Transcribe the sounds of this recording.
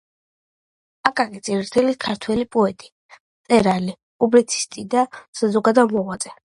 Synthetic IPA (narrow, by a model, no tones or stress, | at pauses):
akʼakʼit̪sʼiɾt̪ʰɛlikʰaɾt̪ʰwɛlipʼɔɛt̪ʼi̥ | t̪sʼɛɾali | pʼublit̪sʰi̥st̪ʼid̪asazɔɡad̪amɔʁwat̪sʼɛ